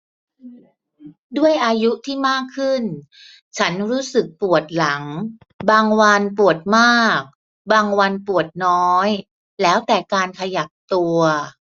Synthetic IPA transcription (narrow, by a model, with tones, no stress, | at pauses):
du˥˩əjʔaː˧ju˦˥t̪ʰiː˥˩maː˥˩kʰːɯ˥˩n | t͡ɕʰa˦˥nɾuː˦˥sɯ˨˩k̚pu˨˩ət̪̚la˩˦ŋ | baː˧ŋwa˧npu˨˩ət̪̚maː˥˩k̚ | baː˧ŋwa˧npu˨˩ət̪̚nɔː˦˥j | lɛː˦˥wt̪ɛː˨˩kaː˧nkʰa˧ja˨˩p̚t̪u˧ɐ